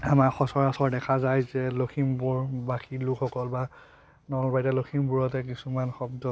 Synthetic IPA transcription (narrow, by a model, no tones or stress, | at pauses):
amaxɔsɔɹasɔɹdɛkʰazajzɛloxʰimbuɹbaxilukʰxɔkɔlba | nɔlbajtɛloxʰimbuɹɔtɛkisumanxɔbdɔ